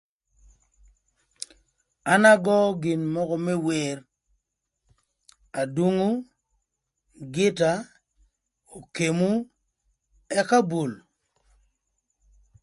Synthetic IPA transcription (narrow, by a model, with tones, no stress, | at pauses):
a˦na˦ɡɔ˦ɡɪ˨nmɔ˦kɔ˦mɛ˦we˨r | a˨dwu˦ŋu˦ | ɡɪ˦ta˦ | o˨ke˨mu˦ | ɛ˦ka˦bo˨l